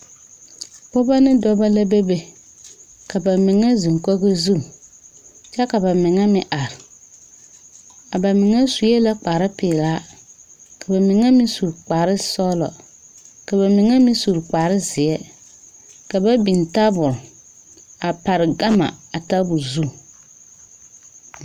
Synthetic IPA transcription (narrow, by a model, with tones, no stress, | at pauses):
pɔ˦ba˦nɪ˦dɔ˦ba˦la˦be˦be˨ | ka˨ba˨mɪ˨ŋa˦zi˨ŋ˨kɔ˦ɣɪ˦zu˦˨ | t͡ʃɛ˦ka˨ba˨mɪ˨ŋa˦mɪ˦ʔa˨ɾɪ˨ | a˨ba˨mɪ˨ŋa˦su˨˦ɛ˦la˦k͡paː˨ɾɪ˦pɪː˨laː˦ | ka˨ba˨mɪ˨ŋa˦mɪ˦su˨ɾk͡pa˨ɾɪ˦sɔ˦lɔ̰˨ | ka˨ba˨mɪ˨ŋa˦mɪ˦su˨ɾk͡paː˨ɾɪ˦zɪ˨ɛ˦ | ka˨ba˦bi˨n˨ta˦bʊ˨ɾ | a˨pa˨ɾɪ˨ɡa˦ma̰˨a˨ta˦bʊ˨ɾzu˦˨